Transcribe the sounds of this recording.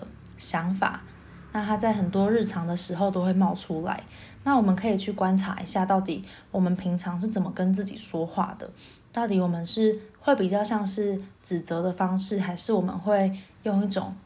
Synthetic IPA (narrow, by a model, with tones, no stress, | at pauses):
ɕjɑ˧˦˥ŋfa̰˨˩˦ | na˥˩t̪ʰa˥t͡sa˥˩ɪɦə˨˩nt̪wɔ˦˥ɻ̩˥˩ʈ͡ʂʰɑ˧˦ŋd̪ə˨ʂɻ̩˧˥xo˥˧ʊt̪o˥ʊxwe˥˧ɪmɑ˥˩ʊʈ͡ʂʰu˦la̰˧˦ɪ | na˥˩wɔ˨˩mə˨nkʰɤ˧˥i˨˩t͡ɕʰy˥˩kwa˦nʈ͡ʂʰa̰˧˥ḭ˧ɕja˥˧t̪ɑ˥˩ʊt̪i˨˦ | wɔ˨˩mə˨˦npʰi˧˥ŋʈ͡ʂʰɑ˧˥ŋʂ̬ɻ̩˥˩t͡sə˨˩mə˦kə˦˥nt͡sɹ̩˥˩t͡ɕḭ˨˩ʂwɔ˥xwa̰˥˩d̪ə̰˩ | t̪ɑ˥˩ʊt̪i˨˩wɔ˨˩mə˨˦nʂɻ̩˥˩we˥˩ɪpi˨˩t͡ɕjɑ˥˧ʊɕjɑ˥˧ŋʂɻ̩˥˩ʈ͡ʂɻ̩˨˩t͡sə˧˦d̪ə˨fɑ˥ŋʂɻ̩˥˩ɦa˧˥ɪʂɻ̩˥˩wɔ˨˩mə̰˨˦nxwe˥˧ɪjo˥˧ŋi˥˩ʈ͡ʂo̰˨˩ŋ